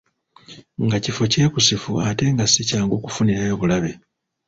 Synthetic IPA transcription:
ŋɡacifo̞ce̞ːkusifuate̞ŋɡasicaːŋɡo̞ːkufuniɾajoβulaβe̞

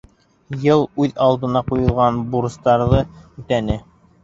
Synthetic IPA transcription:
jɤlˠʉðɑlˠd̪ɤ̆nɑqujɤ̆lˠʁɑnbuɾɤ̆st̪ɑɾðɤʉt̪ænɘ

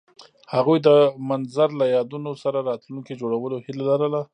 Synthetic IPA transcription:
haɣujd̪əmanzaɾlajɑd̪unosaɾaɾɑt̪lunked͡ʒoɽawəlohilalaɾəla

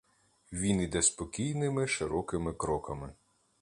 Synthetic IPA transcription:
ʋʲinid̪ɛspɔkʲijnɪmɪʃɪɾɔkɪmɪkɾɔkɐmɪ

